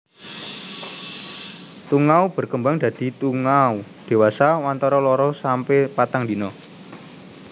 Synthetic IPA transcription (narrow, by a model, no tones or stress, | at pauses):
t̪uŋaub̥ə̤rkəmbaŋd̪̥ä̤d̪̥i̤t̪uŋaud̪̥e̤wasawant̪ɔɾɔlɔɾɔsampepat̪aŋd̪i̤nɔ